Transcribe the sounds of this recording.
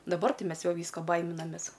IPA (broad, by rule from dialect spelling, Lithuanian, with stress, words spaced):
dɐˈbɐr ˈtʲɪ ˈmʲɛs ˈjɛʊ ˈʋʲiːskoː ˈbɐɪmʲɪnɐmʲeːs